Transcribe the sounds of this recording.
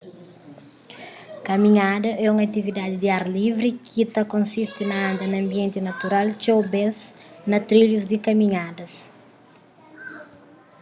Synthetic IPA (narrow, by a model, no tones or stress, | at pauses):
kɐmĩɲad̪ɐʔɛũŋɐt̪ivid̪ad̪ɪd̪iaɾlivɾikʰit̪ɐkõnsist̪inɐãnd̪ɐnɐ̃mbiɛ̃nt̪inɐt̪uɾalt͡ʃowbɛs | nɐt̪ɾiʎuzd̪ikɐmĩɲad̪ɐs